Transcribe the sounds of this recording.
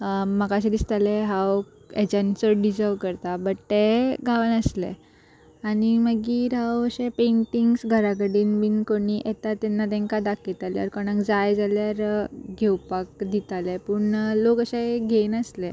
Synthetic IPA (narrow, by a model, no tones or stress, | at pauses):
məkaɕed̪ist̪aleɦaw | ed͡ʑãnt͡səɖid͡zəʋkəɾt̪abəʈt̪eɡʱaʋənəslḛ | animəɡiːɾawəɕepeɳʈiŋɡsɡʱəɾak̬əɽiːnʋiːnkoɽiʔet̪at̪ɛnːat̪̬ẽŋkad̪akʰit̪alja̰ɾkɔɽ̃ãkd͡zajd͡zaljaɾɡʱewpak̚d̪it̪alepuɳlokəɕeɡʱenəslɛ